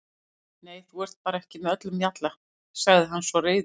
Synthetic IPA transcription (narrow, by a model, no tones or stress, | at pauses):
neːjθuɛɾ̥t̪̚paːɾaɛhcɪmɛœt̪lʏmjat̪la | saɣðɪɦanːsvɔreːjð